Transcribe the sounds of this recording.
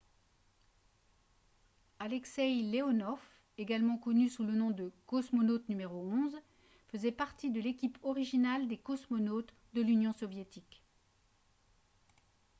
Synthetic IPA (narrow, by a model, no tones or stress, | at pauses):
alɛksɛjleɔnɔf | eɡalmɑ̃kɔnysulənɔ̃d̪əkɔsmɔnot̪nymeʁoɔ̃z | fəzɛpaʁt̪id̪əlekʲipʰɔʁiʒinald̪ekɔsmɔnot̪ | d̪əlynjɔ̃sɔvjet̪ik